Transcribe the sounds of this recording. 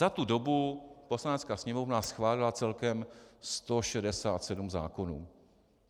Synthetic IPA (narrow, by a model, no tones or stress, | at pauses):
at̪udo̞bupo̞slanɛt͡skaːsɲɛmo̞vnasxvaːlɪlat͡sɛlkɛmst̪o̞ʃɛdɛsaːt̪sɛdumza̰ːko̞nuː